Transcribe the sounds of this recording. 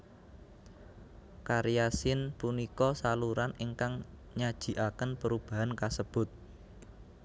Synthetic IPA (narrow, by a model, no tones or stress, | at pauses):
kaɾjasɪnpunikɔsaluɾaniŋkaŋ | ɲad̥ʒ̥i̤ʔakənpəɾub̥aɦankasəb̥ʊt̪̚